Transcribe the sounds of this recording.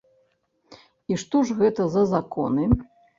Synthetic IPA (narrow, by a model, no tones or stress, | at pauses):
iʂt̪ɔʐɣɛt̪ɐzɐzakɔ̰nɨ